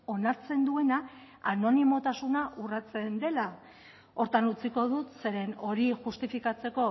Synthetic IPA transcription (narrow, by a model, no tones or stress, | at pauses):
o̞naɾt͡se̞nd̪ue̞na | ano̞nimo̞t̪asunaʔurat͡se̞nd̪e̞la | o̞ɾt̪anut͡siko̞ð̞ut̪se̞ɾe̞no̞ɾiʝust̪ifikat͡se̞ko̞